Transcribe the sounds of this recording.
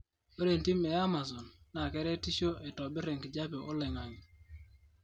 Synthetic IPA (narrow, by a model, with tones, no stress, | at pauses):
o˦ɾe˨nti˦mɛ˨a˦ma˨zɔ˨nːa˨kɛ˦ɾɛ˦ti˦ʃo˦ʔe˨tɔ˨bɪ˦ɾe˨ŋkd͡ʒa˦pe˨ʔo˦lɛ˨ŋa˨ɲ